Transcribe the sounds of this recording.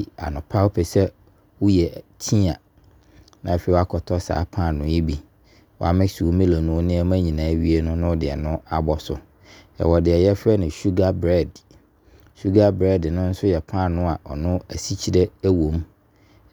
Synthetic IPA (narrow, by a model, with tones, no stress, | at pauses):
a̰˨nʊ̃˨pʰa˦wo˦pʰɛ˨sɛ˦ | wʊ˦jɛ˨tʰĩ˦a˨ | nã˨fe˨˦˨wa˦kʰɔ˨tʰɔ˦sa̰ː˨˦pʰã˦˨nʊ̃˨˦ji˦bi˨ | wɔ˦a̰˨mɪ̃˦su˨˦mɪ̃˦lo˨nʊ̃˨˦nɪ̃˦ɛ˦mæ̃˦ɲĩ˨nãː˨˦ɥi˦e˦nʊ̃˦nʊ̃˦wdɪ˨ɛ˨nʊ̃˦a˨bɔ˨sʊ˨ | ɛ̰˨wɔ˨dɪ˨ɛ˨jɛ˦fɛ˦nɪ̃˨ʃu˦ɡa˦bɾɛ˦˨d | ʃu˦ɡa˦bɾɛ˦˨dnʊ̃˦n̩˦sʊ˦jɛ˨pʰã˦˨nʊ̃˦a˨ʔɔ̰˨nʊ̃˦æ˨si˦t͡ɕʰi˦dɛ˦æ˦wõ˨m